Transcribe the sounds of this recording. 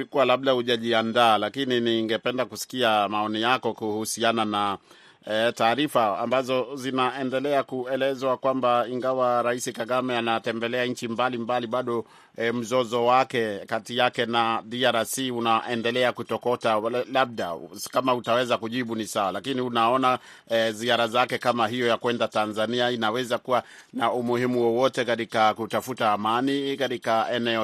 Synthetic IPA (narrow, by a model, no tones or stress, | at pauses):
ikuwalaɓ̚ɗahuʄaʄiandaːlakininiŋɡɛpɛndakusi̥kiamaɔnijakɔkuhusianana | taːɾifaa̰mbazɔzinaɛndɛlɛakuɛlɛzwakwambaiŋɡawaɾaisikaɡamɛanatɛmbɛlɛaɲ̩t͡ʃimbalimbaliɓaɗɔ | m̩zɔzɔwakɛkatijakɛnaɗiaɾasiunaʔɛndɛlɛakutɔkɔtalaɓ̚ɗa̰kamautawɛzakuʄiɓunisawalakiniunaɔna | ziaɾazakɛkamaɦijɔjakwɛndatanzaniainawɛzakuwa | naumuhimuwɔwɔtɛkatikakutafutaːmanikatikaɛnɛɔ